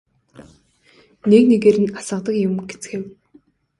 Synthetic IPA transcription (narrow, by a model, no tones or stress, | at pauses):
neknekeɾɘ̆nasə̆qt̪ə̆kjʊmɡet͡sɘ̥̆xew